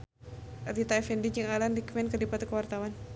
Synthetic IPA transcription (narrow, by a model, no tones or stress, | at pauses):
adit̪aɛfɛndid͡ʒɨŋalandikmɛnkədipat̪ukəwart̪awan